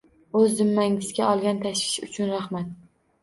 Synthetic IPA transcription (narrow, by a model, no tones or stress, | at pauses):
ɵzd̪ɪmːaŋɪzɡʲaɒlˠɡʲant̪ʰaʃvɪ̥ʃʊ̰t͡ʃʰʊnɾaχmat̪̚